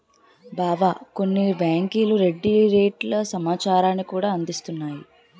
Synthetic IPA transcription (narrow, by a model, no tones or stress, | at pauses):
baːʋako̞nːibaːŋkiːluɾe̞ɖːiɾeːʈlɐsɐmaːt͡ʃaːɾaːnːikuːɽaːɐnd̪ist̪unːaːji